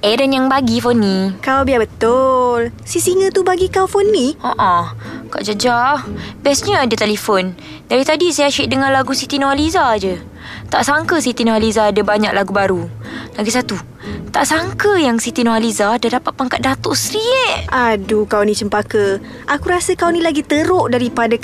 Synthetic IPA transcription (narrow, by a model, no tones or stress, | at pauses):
ɛɾənjaŋbaɡifɔnːikawbiabət̪ʊlsisiŋə̃t̪ubaɡikawfɔnːioʔɔka̰ʔd͡ʒad͡ʒabɛsɲəadət̪elifɔn | daɾit̪adisajaʃuiʔ̚dəŋanlaɡusit̪inoalizad͡ʒə | t̪aʔsaŋkəsit̪inoalizaːdəbaɲak̚laɡubaɾulaɡisat̪u | t̪aʔsaŋkəjaŋsit̪inoɦalizadadapat̪̚paŋkat̪̚dat̪oʔsɾiɛʔʔadukawnit͡ʃəmpakə | ʔakuɾasəkawnĩlaɡit̪əɾʊʔdaɾipada